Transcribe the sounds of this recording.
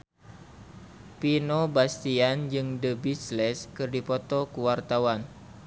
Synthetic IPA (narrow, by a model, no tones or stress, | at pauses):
pinobast̪iand͡ʒɨŋdəbislɛskɨrdipɔt̪ɔkuwart̪awan